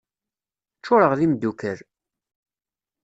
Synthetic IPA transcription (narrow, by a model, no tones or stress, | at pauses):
t͡ʃːʊɾəʁðimd̪ːukəɾ